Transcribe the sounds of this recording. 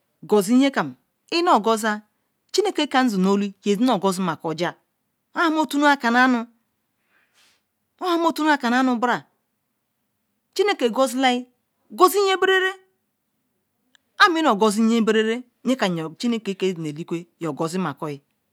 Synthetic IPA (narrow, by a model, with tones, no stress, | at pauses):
ɡo˨zi˦ɲe˦ka˨m˨ | i˦no˨ɡɔ˦za˦ | t͡ʃi˦ne˦ke˦ka˨˦n̩˦zi˨no˦li˦je˨zi˦no˨ɡo˦zi˦ma˨ko˨d͡ʒa˦ | o˦a˦m˦o˦tu˦nu˦a˦ka˨na˦nu˨ | o˦a˦m˦o˦tu˦nu˦a˦ka˨n˨a˦nu˨˦bɾa˨ | t͡ʃi˦ne˦ke˨ɡo˦zi˦la˦i˦ | ɡo˦zi˦ɲe˦be˦ɾe˦ɾe˦ | a˦m˦i˦no˨ɡo˨zi˦ɲe˦be˦ɾe˦ɾe˦ɲe˦ka˨t͡ʃi˦ne˦ke˦ke˦zi˨ne˨li˦kʷe˦jo˨ɡɔ˨zi˦ma˨kɔ˨ji˦